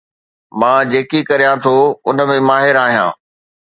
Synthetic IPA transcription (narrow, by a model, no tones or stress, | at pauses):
mãːd͡ʑeːkikɐɾijãt̪ʰoʊn̆mẽmaːɦɪɾaːɦijã̰ː